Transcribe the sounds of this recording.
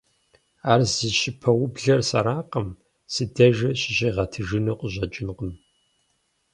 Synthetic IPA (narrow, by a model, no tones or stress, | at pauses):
aːrzɨʃɪpʰɐwʊbɮɐrsɐ̰ɾaːqɐm | sɨdɐʒɐɕɪɕeːʁɐtʰɨʒɨnɐqʷʼəʑɐt͡ʃʼɪnqəm